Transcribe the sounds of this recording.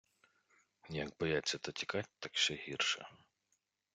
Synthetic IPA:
jɐkbɔjat͡sʲːɐt̪ɐtʲi̥kɑtʲt̪ɐkʃɛɦirʃɛ̰

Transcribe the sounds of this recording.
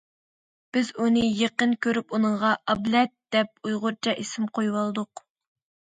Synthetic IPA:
b̥ɪzunɨjeqənkʲʰøɾypunɨɴʁɑʔɑblɛt̪̚d̪̥ɛp̚ujʁʊɾt͡ʃʰɑʔesɪmqʰojwɑlˠd̪ʊq

